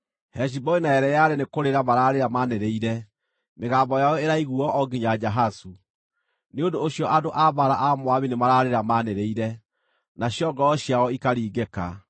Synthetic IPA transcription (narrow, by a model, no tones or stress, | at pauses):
hɛʃ̬ibɔinaɛɾɛjaɾenekoɾeɾamaɾaːɾeɾamaneɾeiɾɛ | meɣaːmbɔjaɔeɾaiɣuɔɔɡiɲad͡ʑaɦasu | neondoːɕjɔʔadoʔaβaɾaʔamwaβinemaɾaɾeɾamaneɾeiɾɛ | naɕjɔɡɔɔɕjaɔikaɾiːɡeka̰